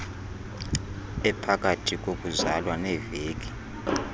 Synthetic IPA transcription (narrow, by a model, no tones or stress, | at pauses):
ɛpʰak̬ʼatʰik̬ʼokʼuzalwanɛveːk̬ʼi̥